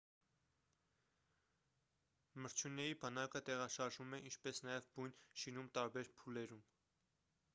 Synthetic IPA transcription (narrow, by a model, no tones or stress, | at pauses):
məɾt͡ʃʰjunɛibɑnɑkət̪ɛʁɑʃɑɾʒumɛʔint͡ʃʰpɛsnɑjɛvbujnʃinumt̪ɑɾbɛɾpʰulɛɾum